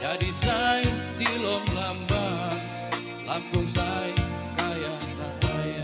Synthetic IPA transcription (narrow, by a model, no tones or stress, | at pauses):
d͡ʒadisait̪ilɔmlamba | lampʊŋsaikaja | saɦaja